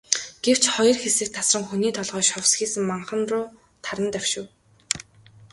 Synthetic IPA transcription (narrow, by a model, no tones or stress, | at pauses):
ɡ̥ew̥t͡ɕχɔjɞ̆rxesɘ̆k̚t̪ʰːasrə̆ŋxuniːt̪ʰɔɮʁœːʃɔwsxiːsɘ̆ŋmaɴχə̆nrʊː | t̪ʰaɾə̆nt̪æwʃʊ̆w